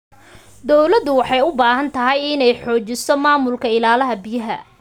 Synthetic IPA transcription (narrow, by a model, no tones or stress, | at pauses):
d̪ɔwlɐd̪ʊwɑħɑjʊbaːhɐnt̪ʰɐɦɛjɪnɛjħɔːt͡ʃɪsɔmaːmʊlkʰɐɪlaːlɐɦɐbɪjɐɦɐ